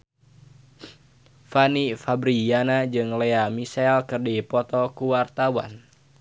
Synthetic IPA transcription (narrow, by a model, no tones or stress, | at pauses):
fanifabɾijanad͡ʒɨŋlɛamisɛlkɨrdipɔt̪ɔkuwart̪awa̰n